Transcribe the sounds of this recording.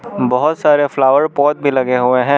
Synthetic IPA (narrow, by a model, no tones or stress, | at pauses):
bɔɦʊt̪saːɾeflaːʋəɾpɔːt̪̚bʱilɐɡeɦueɦɛ̃ː